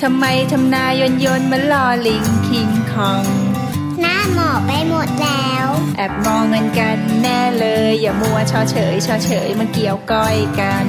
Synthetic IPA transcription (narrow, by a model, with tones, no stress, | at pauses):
t̪ʰa˧mːa˧jt̪ʰa˧mnaː˧jo˧njo˧nma˧˥nlɔː˧li˧˦ŋkʰi˧ŋkʰɔ˧ŋ | naː˥˩mɔː˨˩pa˧jmo˨˩t̪̚lɛː˦˥wʔɛ˨˩p̚mɔː˧ŋɤ˧nka˧nːɛː˥˩lɤː˧jːaː˨˩mu˧ɐt͡ɕʰɔː˧˥t͡ɕʰɤː˩˦jt͡ɕʰɔː˧˥t͡ɕʰɤː˩˦jmaː˧ki˨˩əwkɔ˥˩jka˧n